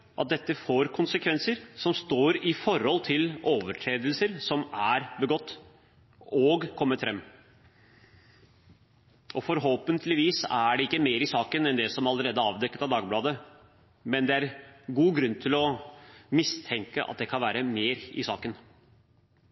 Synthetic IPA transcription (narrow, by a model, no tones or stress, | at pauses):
ʔɑ̰t̪̚d̪ɛt̪ːəfoːɾkʰʊnsəkʰʋɛnsəɾsɔmst̪oːɾɪfɔɾhɔlt̪ʰɪloːʋəʈʰɾeːd̪əlsəɾsɔmæɾbəɡɔt̪ː | ɔːɡkʰɔmːət̪fɾɛmː | ɔfɔɾɦoːpənt̪ʰlɪʋiːsæɖɛɪkːəmeːɾɪsɑːkənɛnd̪ɛsɔmɑləɾeːd̪əɑːʋd̪ɛkːət̪ɑʋd̪ɑːɡblɑːd̪ə | mɛnd̪ɛæɾɡuːɡɾʉnːt̪ʰɪlɔmɪst̪ʰɛŋkəʔɑ̰t̪̚d̪ɛkʰɑnʋæːɾəmeːɾɪ̰sɑːkən